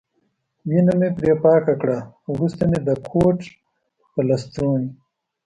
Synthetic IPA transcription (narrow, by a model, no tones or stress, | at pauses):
winɐmepɾeːpaːkakɽaɾust̪emed̪əkʰoːʈ͡ʂ | pɐlɐst̪oːɳi